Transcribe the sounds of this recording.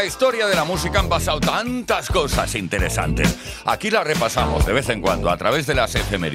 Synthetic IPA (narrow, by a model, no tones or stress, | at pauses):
ist̪o̞ɾjað̞e̞lamus̬ikaampasawt̪ant̪asko̞sa̰sint̪e̞ɾe̞̰sa̰nt̪e̞s | a̰kilare̞pasamo̞̰zðe̞βe̞θe̞ŋkwand̪oat̪ɾaβ̞e̞zðe̞lasefeme